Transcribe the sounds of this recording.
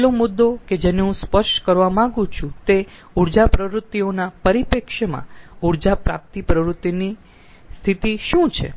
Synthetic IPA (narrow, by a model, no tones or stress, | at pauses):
lomʊd̪ːoked͡ʒeneɦũspəʃʈkəɾʋamãŋɡũt͡ʃʰũt̪e | uɾd͡ʒapɾəʋɾut̪ːionapəɾipekʃemã̰uɾd͡ʒapɾa̰p̚t̪ipɾəʋɾut̪ːini | st̪ʰit̪iʃũt͡ʃʰḛ